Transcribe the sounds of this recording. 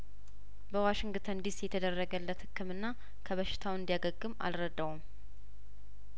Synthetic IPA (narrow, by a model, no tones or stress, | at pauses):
bəwaʃɪŋɡt̪ʰənd̪isjɛt̪ʰəd̪ərːəɡəlːət̪hɨkːɨmɨnːa | kʰəβəʃɪ̥t̪ʰawɨnd̪ijaɡəɡːɨma̰lɾəd̪ːəwum